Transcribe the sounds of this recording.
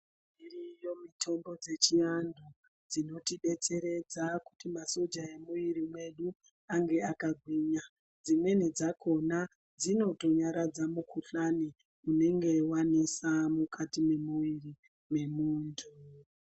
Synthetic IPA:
mirijo̞mitʰo̞mbo̞d͡ze̞t͡ʃiandu | d͡zino̞tiɓe̞t͡se̞ɾe̞d͡zaku̥timaso̞d͡ʒae̞muʋiɾimwe̞ɗu | aŋɡe̞akaɡʱwiːɲa | d͡zimwe̞ned͡zako̞na | d͡zino̞to̞ɲaɾad͡zamukʰuɬani | une̞ŋɡe̞wanisamukʰatime̞muʋiri | me̞muːntʰu

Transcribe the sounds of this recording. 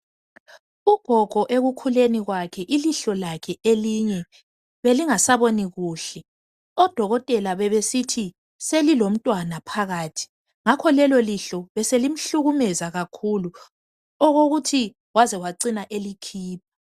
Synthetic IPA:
uɡ̥ʱɔɡ̥ʱɔʔeɣukʰuleniɣwakʰɛʔiliɬɔlakʰɛʔeliɲɛ | βeliŋasaβoniɣuːɬɛ | ɔd̥ʱɔɣɔtʼɛlaβɛβesitʰi | selilom̩tʼwanapʰaɣaːtʰi̥ | ŋakʰɔlɛlɔliɬɔβɛselim̩ɬuɣumɛzaɣakʰulu | ɔɣoɣutʰi | ɣwazɛwaǀinaʔelikʰiːpʰḁ

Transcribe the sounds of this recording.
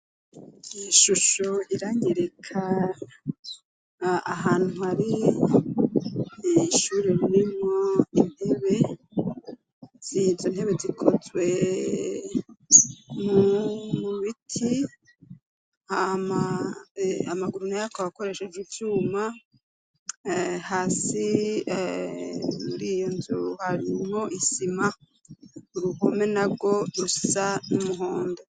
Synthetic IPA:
iʃuʃoiɾaɲeɾekʰa | aɦaːn̥huaɾi | ʃuːɾeɾiɾimŋo̞in̥e̞βe̞ | z̥izonhe̞βezikʰozwe̞ | mumuuβitʰi | hama | amaɡuɾunajakoβako̞ɾe̞ʃed͡ʒivjuːma | haːsi | muɾiːjo̞nzuuhaɾimho̞ʔisima | uɾuɡome̞nabɡo̞ɾu̥sanumuɦoːndo

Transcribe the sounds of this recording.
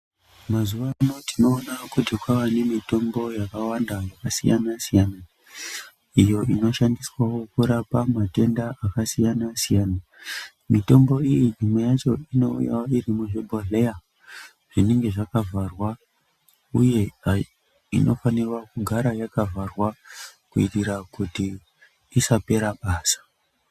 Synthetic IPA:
mazuʋamotino̞ːnakudekwawane̞mito̞mbo̞jakawandajakasḭja̰nasijana | ijo̞ʔino̞ʃandiswawo̞kuɾapamate̞ndaʔakasijanasijaːna | mito̞mbo̞ijinimwejat͡ʃo̞ino̞ṵja̰woiɾimuʐebʱoɮeja | ʐ̥ine̞ŋɡe̞ʐakavʱarwa | uje̞a | ino̞fanirwakuɡʱaɾajakavʱarwakuitiɾakutiː | sape̞ɾaɓaːsḁ

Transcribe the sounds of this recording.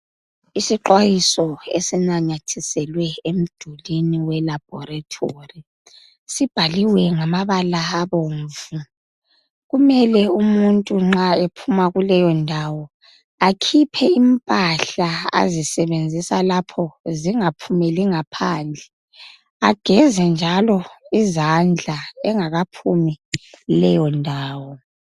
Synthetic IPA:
isiǃwajisɔesinaɲatʰisɛlwɛem̩d̥ʱuliniwɛlab̥̚ʱɔratʰori | sib̥ʱaliwɛŋamaβalaːβoɱvu | ɣumɛlɛumuntʼuŋ͡ǁaepʰumaɣulɛjɔndʱawɔ | akʰipʰɛimpʼaɬaa̰zisɛβend͡zʱisalapʰɔziŋapʰumɛliŋapʰaːnd͡ɮʱɛ | aɡ̥ʱɛzɛnd͡ʒʱalɔizand͡ɮʱaɛŋaɣapʰumilɛjɔndʱaːwɔ

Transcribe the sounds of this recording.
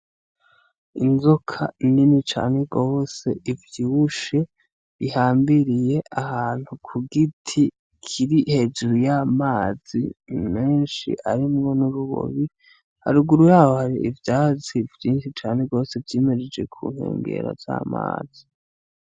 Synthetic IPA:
inzokʰa̰ninit͡ʃa̰ːne̞ɡo̞ːse̞ivjuuʃe̞ | βihaːmbiɾije̞ʔahaːn̥hukʰuɡitʰi | kʰiɾihe̞d͡ʒuɾujaːmaːz̥ḭmeːnʃḭʔa̰ɾimŋo̞nuɾuβo̰βi | ha̰ɾuɡuɾujaːwohaɾiʔivjaːzivjiːnʃit͡ʃaːne̞ɡo̞ːse̞vjeːmeɾed͡ʒe̞̰kʰṵːn̥hḛːŋɡḛɾa̰z̥a̰ːma̰ːz̥i

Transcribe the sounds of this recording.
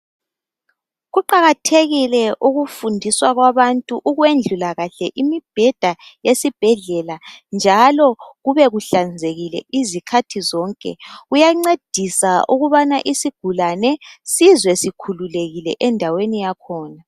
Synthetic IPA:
ɣuǃaɣatʰeɣilɛʔuɣufundʱiswaɣwaβantʼuʔuɣwend͡ɮʱulaɣaɬɛʔimib̥ʱɛd̥ʱajesib̥ʱɛɮɛland͡ʒʱalɔɣuβɛɣuɬand͡zʱeɣilɛ̰ʔizikʰatʰizɔŋkʼɛ̰ɣujaŋ͡ǀed̥ʱisauɣuβanaʔisiɡ̥ʱulanɛsizwɛsikʰululeɣilɛʔɛndʱawenijakʰɔːna

